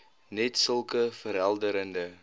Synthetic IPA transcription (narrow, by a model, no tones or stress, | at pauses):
nɛtsəlˠkəfəɾɦælˠdəɾəndə